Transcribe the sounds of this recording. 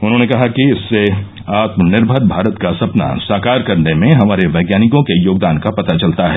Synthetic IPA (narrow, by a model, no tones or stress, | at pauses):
ʊnɦõːnekɐɦakiɪsːe | aːt̪mənɪɾbʱəɾbʱaːɾət̪kasɐpna̰saːkaːɾkɐɾnemẽɦɐmaːɾeʋɐːɡjaːnɪkõkejoːɡ̚d̪aːnkapɐt̪at͡ʃɐlt̪aɦɛː